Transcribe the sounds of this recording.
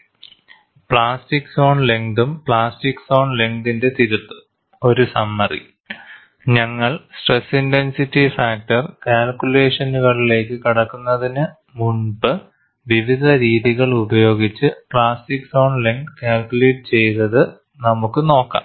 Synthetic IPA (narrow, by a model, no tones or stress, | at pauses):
pɭaːstikso̞ːɳle̞ŋd̪umpɭaːstikso̞ːɳleŋɡd̪inde̞t̪iɾut̪ːu̥ | o̞ɾusɐmːɐrḭ | ɲɐŋːɐɭsʈresinte̞nsitːifaːk̚tɐrkaːlkʲule̞ːʂɐnuɣɐɭile̞ːkːɨkiɽɐkːunːɐðinɨ | muɳbɨ | ʋiʋid̪ʱɐɾiːðiɣɐɭubɐjo̞ːɡit͡ɕːɨpɭaːstikːso̞ːɳle̞ŋɖkaːlkʲːule̞ːʈːɨt͡ɕe̞jðɐðɨ | nɐmukːɨno̞ːkːa̰ːm